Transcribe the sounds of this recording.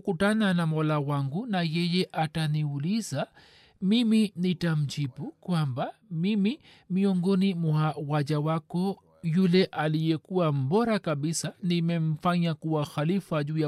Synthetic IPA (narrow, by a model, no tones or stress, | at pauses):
ukutananamɔlawaŋɡunajɛjɛʔataniuliza | miminitam̩t͡ʃipukwambamimi | miɔŋɡɔnimwauwaʄawakɔ | julɛʔalijɛkuwam̩bɔɾakaɓisanimɛm̩faɲakuwaxalifaʄuːja